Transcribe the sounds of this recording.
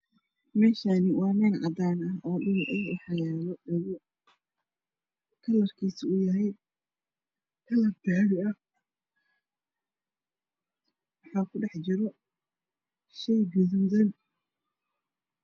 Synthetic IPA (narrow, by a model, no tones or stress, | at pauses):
mɛːʃaːnɪwɑːmɐnʕɑd̪aːnɐɔːɖʊlʔɐjʊħɑjaːlɔɗɐɣʊ | kʰɐlɐrkʰiːsɪʊjɐɦɛj | kʰɐlɐb̚ɡ̪aːɽɪɐ | wɑħɑːkʰʊɖɑħt͡ʃɪɾɔ | ʃɛjɡʊðɐnd̪ɐn